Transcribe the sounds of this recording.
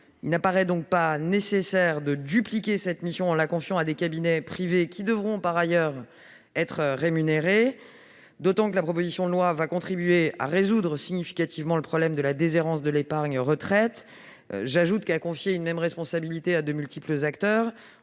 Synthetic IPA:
ilnapaʁɛd̪ɔ̃k̚panesesɛʁd̪əd̪yplikʲesɛt̪misjɔ̃ɑ̃lakɔ̃fjɑ̃ad̪ekabinɛpχivekʲʰid̪əvʁɔ̃paʁajœʁ | ɛt̪χʁemyneʁe | d̪ot̪ɑ̃kəlapχɔp̬ozisjɔ̃d̪əlwavakɔ̃t̪χibɥea̰ʁezud̪ʁəsiɲifi̥kʲat̪ʰivmɑ̃ləpχɔblɛmd̪əlad̪ezeʁɑ̃sd̪əlepaʁɲʁət̪χɛt̪ | ʒaʒut̪kakɔ̃fjeynmɛmʁɛspɔ̃sabilit̪ead̪əmylt̪ipləzakt̪œːʁ

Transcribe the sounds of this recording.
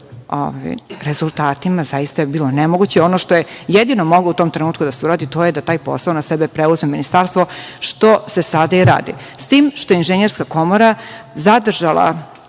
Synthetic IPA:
o̰va̰jɾezulˠt̪aːt̪imazajist̪ajebiːlonemoɡut͡ɕeo̞noʃt̪o̞jejed̪inomo̞ɡlˠout̪o̞ːmt̪ɾenuːt̪̚kud̪aseuɾaːd̪it̪ojed̪at̪aːjpo̞̰saonasɛbepɾeuzmeminist̪aːɾst̪ʋo̞ʃt̪o̞sesad̪aiɾa̰ːd̪ḭst̪iːmʃt̪o̞jeinʒeɲeɾskako̞moɾazad̪r̩ʒalˠa̰

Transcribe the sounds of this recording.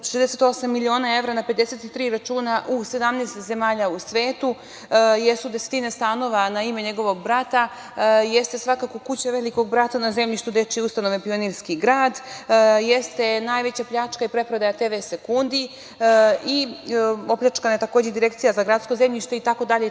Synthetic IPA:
ʃezd̪eset̪o̞samːilʲio̞ːnae̞vɾanaped̪ese̞t̪it̪ɾiːɾat͡ʃuːnaʔuse̞d̪amnest̪ze̞maːʎausʋeːt̪u | jesud̪ese̥t̪inest̪aːno̞ʋanaime̞ɲe̞ɡo̞ʋo̞ɡ̚bɾat̪a | jest̪e̞sʋakako̞kut͡ɕaʋeliko̞ɡ̚bɾat̪anaze̞mʎiʃt̪ud̪et͡ʃiust̪ano̞ʋepio̞niɾskiɡɾaːd̪jest̪e̞najʋe̞t͡ɕapʎat͡ʃkaipɾe̞pɾod̪ajat̪eːʋese̞kund̪i | i | o̞pʎʲat͡ʃkanajet̪akoːd͡ʑed̪iɾe̞kt̪sijazaɡɾat̪sko̞ze̞mʎiʃt̪e̞it̪ako̞d̪aʎe

